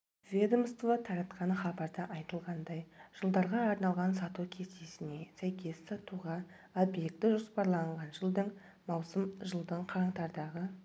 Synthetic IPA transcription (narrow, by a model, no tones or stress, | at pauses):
vʲe̞d̪omst̪vat̪ʰɑɾɑt̪qɑnəχɑbɑɾd̪ɑʔɑjt̪əlˠʁɑnd̪ɑjʒ̥əlˠd̪ɑɾʁɑːɾnɑlˠʁɑnsɑt̪ukʲʰe̞st̪esɪne̞sæjkʲʰe̞ssɑt̪uʁɑ | obje̞k̚t̪ɪʒo̞spɑɾlˠɑɴʁɑnʒəlˠd̪əɴ | mɑwsəmʒəlˠd̪əɴqʰɑɾɴt̪ɑɾd̪ɑʁə